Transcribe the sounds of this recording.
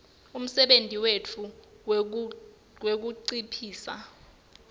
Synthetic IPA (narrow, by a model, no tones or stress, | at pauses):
um̩sɛɓentʼiwetʰu | wek̬uǀipʰiːsa̰